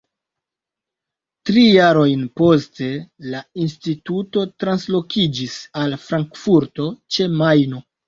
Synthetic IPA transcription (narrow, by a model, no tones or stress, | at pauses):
tɾijaɾo̞jnpo̞ste̞lainstituto̞tɾanslo̞kʰid͡ʒisalfɾaŋkfuɾto̞t͡ʃe̞majno̞